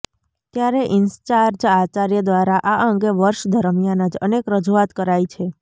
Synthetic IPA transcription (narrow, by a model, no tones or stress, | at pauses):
t̪jaɾeʔɪnst͡ʃaɾd͡ʒat͡ʃaɾjəd̪ʋaɾaʔaʔəŋɡeʋəɾʃd̪ʱəɾmjanəd͡ʒə̰nekɾəd͡ʒuat̪kəɾait͡ʃʰe